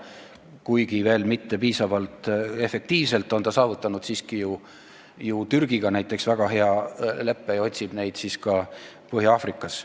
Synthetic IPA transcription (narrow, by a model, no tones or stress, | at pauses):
kujɡive̞ːlmit̪ːe̞piːsɑvɑlt̪ˑe̞fe̞k̚t̪iːvse̞lt̪ːˑo̞nt̪ɑsɑːvut̪ːˑɑnud̪̥siːskiju | jut̪yrɡ̥iɡ̥ɑnæjt̪ːˑe̞ksvæɡ̥ɑɦe̞ɑle̞pːejo̞t̪ʲsib̥ne̞jd̪̥siskɑ | pɤɦjɑɑːfrikːˑɑs